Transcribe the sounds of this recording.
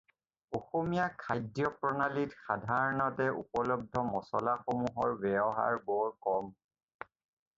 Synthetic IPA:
oxomijakʰajdjɔpɹɔnalitxadʱaɹɔnɔtɛṵpɔlɔb̚dʱɔmɔsɔlaxomuɦɔɹbɛbɔɦa̰ɹbɔɹkɔm

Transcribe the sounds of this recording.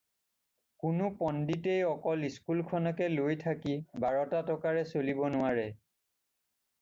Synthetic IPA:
kʊnʊpɔnditejɔkɔliskulkʰɔnɔkɛlojtʰakibaɹɔtatɔkaɹɛsolibɔnʊaɹɛ

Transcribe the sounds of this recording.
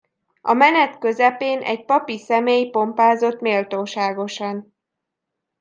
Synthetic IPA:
ɒmɛnɛt̪køzɛpeːnʔɛ̰ɟpɒpisɛmeːjpo̞mpaːzo̞t̪meːlt̪oːʃaːɡo̞ʃɒn

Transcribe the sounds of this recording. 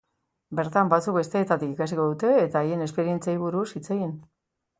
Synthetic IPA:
be̞ɾt̪ambat͡suk̚be̞st̪e̞ːt̪at̪ikikasiko̞ðut̪e̞ːt̪aːje̞nespe̞ɾie̞nt͡saiβ̞uɾusit͡seɣin

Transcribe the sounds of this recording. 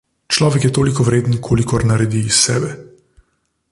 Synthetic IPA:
t͡ʃlɔːʋɛkjɛt̪oːlikɔʋɾeːd̪ənkʰoːlikɔɾnɐɾɛd̪iːsːɛ̰ːbɛ

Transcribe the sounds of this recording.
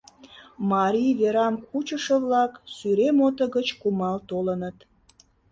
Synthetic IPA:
mɑɾijβeɾɑmkut͡ɕəʃəβlɑksyɾemot̪əɣət͡ɕkumɑlt̪olənət̪

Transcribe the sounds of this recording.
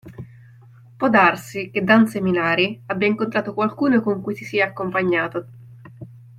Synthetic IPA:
pwɔd̪arsiked̪anseminaːɾiabːjaiŋkont̪ɾaːt̪okwalkuːnokoŋkujsisiːaːkːompaɲːaːt̪o

